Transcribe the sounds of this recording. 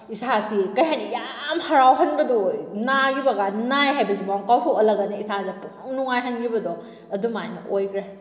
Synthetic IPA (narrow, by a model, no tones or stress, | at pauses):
isʰasikɐjɦanjamhɐɾawɦɐnbɐdɔnaɡibɐɡanajɦajbɐsibawŋkawtʰowɐlɐɡɐneisadɐpuŋnuŋajɦɐnɡibɐdɔ | ɐdumajnɐʔojkɾe